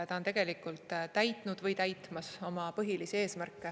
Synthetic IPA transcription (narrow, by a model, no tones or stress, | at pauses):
t̪ɑont̪e̞ɡ̥e̞likːˑult̪ːˑt̪æjtt̪ˑnud̪̥vɤjt̪æjt̪ˑmɑso̞mɑpɤɦilisie̞ːsmærkːˑe